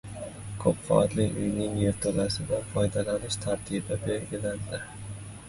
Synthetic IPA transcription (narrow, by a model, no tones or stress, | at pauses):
kʰopfɒ̰t̪lɪʊjnɪŋjeɾt̪ʰolasɪb̪anfɒjd̪alanɪʃt̪ʰaɾt̪ʰibɪbelɡʲiland̪ɪ